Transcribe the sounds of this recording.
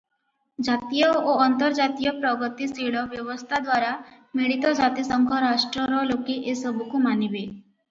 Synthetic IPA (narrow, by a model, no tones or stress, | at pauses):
d͡ʒat̪ijɔoːnt̪ɔɾd͡ʒat̪ijɔpɾɔɡɔt̪isiɭɔbjɔbɔst̪ʰad̪waɾa | miɭit̪ɔd͡ʒat̪isɔŋkʰɔɾasʈɾɔɾɔlokiʔesɔbukumanibe